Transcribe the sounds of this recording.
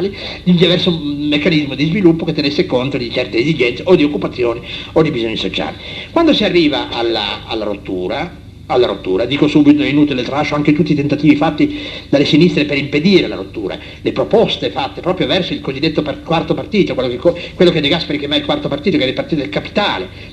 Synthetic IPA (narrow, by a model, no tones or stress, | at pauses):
alid̪ild̪ivɛrsomekːanizmod̪izvilupːoket̪ːenesːekont̪od̪it͡ʃɛrt̪eːzid͡ʒɛnseod̪iokːupat̪sːjoːniod̪ibizoɲːisot͡ʃa̰ːlikwand̪osiarːiːvaʔa̰lːa̰a̰lːaɾo̰t̪ːuːɾa | alːaɾo̰t̪ːuːɾad̪iːkosuːbit̪oinuːt̪ilelt̪aɾat͡ʃːoaŋket̪ut̪ːit̪ent̪at̪iːvifat̪ːid̪alːesinist̪ɾepeɾimped̪iːɾela̰ɾo̰t̪ːṵːɾa̰ | lepɾopɔst̪efat̪ːepɾɔːpɾjovɛrsoilkozid̪ːet̪ːopakwart̪opart̪iːt̪okwelokekokːwelːokedeɡaspeɾikemailkwart̪opart̪iːt̪okɛilpart̪it̪od̪elkapi̥t̪a̰ːle